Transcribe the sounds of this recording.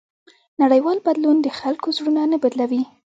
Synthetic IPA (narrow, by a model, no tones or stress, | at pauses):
naɽəjwɑlbad̪lund̪əxalkozɽunanabad̪lawi